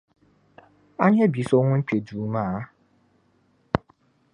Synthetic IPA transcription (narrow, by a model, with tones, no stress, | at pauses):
a˦ɲe˦bi˨so˦ŋʷʊ˦ŋ͡m̩˦k͡pe˨du˨ma˦˨˦